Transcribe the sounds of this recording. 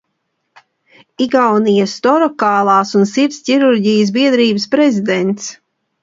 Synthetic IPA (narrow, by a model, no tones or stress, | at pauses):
iɡawnijast̪ɔɾɔkaːlˠɑːsunsiɾt̪sʲcʲiɾuɾɟijəs̬biɛd̪ɾiːbəspɾɛzid̪ɛnt̪s